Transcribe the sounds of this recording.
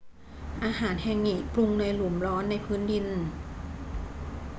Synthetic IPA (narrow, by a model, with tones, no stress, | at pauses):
ʔaː˧ɦaː˩˦nhɛ˧˩ŋːi˨˩ʔplu˧ŋna˧jlu˨˩˦mɾɔː˦˥nːa˧jpʰɯː˦˥ndi˧n